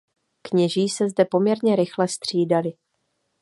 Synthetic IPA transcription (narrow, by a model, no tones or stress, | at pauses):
kɲɛʒiːsɛzdɛpo̞mɲɛɾɲɛɾɪxlɛst̪r̝̥iːdalɪ